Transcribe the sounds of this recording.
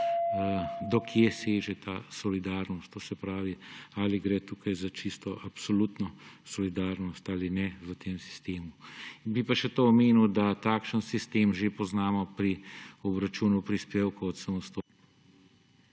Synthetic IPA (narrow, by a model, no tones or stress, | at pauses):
d̪ɔkʰjeseːʒɛt̪aːsɔlid̪aːɾnɔst̪t̪oːsɛpɾaːʋialiɡɾɛːt̪uːkajzat͡ʃist̪ɔʔapsɔlut̪nɔsɔlid̪aːɾnɔst̪alinɛʋət̪eːmsi̥st̪eːmubipaʃɛt̪oɔmeːnud̪at̪aːkʃənsist̪eːmʒepɔznaːmɔpɾiɔbɾat͡ʃuːnupɾispeːwkoɔt̪samɔst̪o